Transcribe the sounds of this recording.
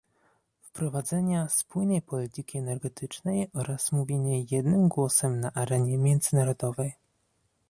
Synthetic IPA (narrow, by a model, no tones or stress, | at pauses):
fpɾɔvad̪zɛɲaspujnɛjpɔlʲit̪ɘkʲiɛnɛɾɡɛt̪ʰɘt͡ʂnɛjɔɾasmuvʲjeɲɛjɛd̪nɘmɡwɔsɛmnaʔaɾɛɲɛmʲjɛnd̪zɘnaɾɔd̪ɔvɛj